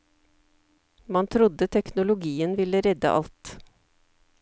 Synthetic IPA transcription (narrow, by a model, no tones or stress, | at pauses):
mɑnt̪ʰɾʊd̪ət̪ʰɛknʊlʊɡiːənʋɪləɾɛd̪ə̰ʔɑ̰lt̪